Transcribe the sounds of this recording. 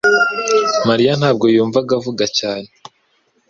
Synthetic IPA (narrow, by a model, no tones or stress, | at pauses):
maɾijan̥aːb̚ɡo̞juːɱvaɡavuɡacaːne